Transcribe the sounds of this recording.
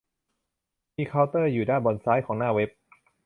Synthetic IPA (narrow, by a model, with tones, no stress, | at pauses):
miː˧kʰaː˦˥wt̪ɤː˥˩juː˨˩daː˥˩nbɔ˧nsaː˦˥jkʰɔː˩˦ŋnaː˥˩we˦˥p̚